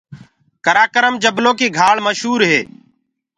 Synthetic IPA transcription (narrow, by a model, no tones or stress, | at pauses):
kəɾaːkəɾəmd͡ʒəbloːkiːɡʱaːɭməʃɦuːɾɦeː